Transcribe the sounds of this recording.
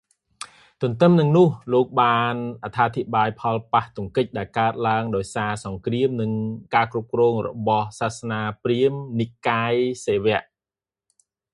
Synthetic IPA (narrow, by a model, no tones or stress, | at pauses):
t̪ʊ̆ənt̪ɨmnɨŋnʊ̆əhloːk̚ɓaːnʔat̪ʰːaːt̪ʰiɓaːjpʰɑlpaht̪ŭəŋkɨc̚ɗaɛlkaət̪̚laəŋɗaɔjsaːsɑŋkriəmnɨŋkaːkrup̚krɔːŋrɔ̰ɓɑhsaːsnaːpriəmniʔkaːjseːʋɛ̆əʔ